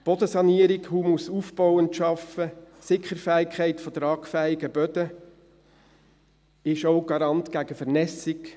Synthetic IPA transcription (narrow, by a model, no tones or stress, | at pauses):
b̥ɔdəsɑniəɾikhuːmusuːfb̥ɔwəntʃɑfəsɪkːəɾfæːɪkʰχɛɪtfɔdɾɑːkfæiɡəbœd̥̪ə | ɪʃoʊɡɑɾɑnt̪ɡ̥æɡəfɛɾnɛsɪk